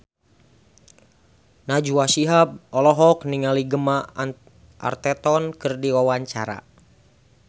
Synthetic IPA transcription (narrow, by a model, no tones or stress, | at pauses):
nad͡ʒuasiɦab̚ɔlɔɦɔkniŋaliɡəma | ʔa̰rt̪ɛt̪ɔnkɨrdiwawaɲt͡ʃa̰ɾa̰